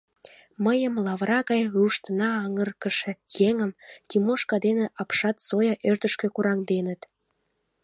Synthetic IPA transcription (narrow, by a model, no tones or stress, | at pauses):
məjəmlɑβrɑɣɑjruʃt̪ənɑɑŋərkəʃĕjeŋəmt̪imoʃkɑd̪eneʔɑpʃɑt̪sojɑʔørt̪əʃkĕkuɾɑŋd̪enət̪